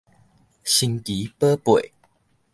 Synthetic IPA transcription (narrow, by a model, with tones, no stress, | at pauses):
ɕi˧ŋki˨˦pə˦pwe˨˩˦